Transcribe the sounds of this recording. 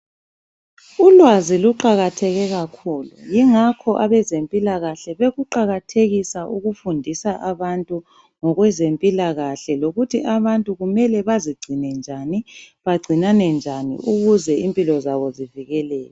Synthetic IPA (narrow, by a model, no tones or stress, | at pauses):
ulwaziluǃaɣatʰɛɣɛɣakʰuːlṵjiŋakʰɔʔaβɛzempʼilaɣaɬɛβeɣuǃaɣatʰeɣisaʔuɣufundʱisaʔaβantʼu | ŋɔɣwɛzempʼilaɣaɬɛloɣutʰiʔaβantʼuɣumɛlɛβaziɡ͡ǀʱinɛnd͡ʒʱaniβaɡ͡ǀʱinanɛnd͡ʒʱanḭʔuɣuzɛimpʼilɔzaβɔziviɣɛlɛːjɛ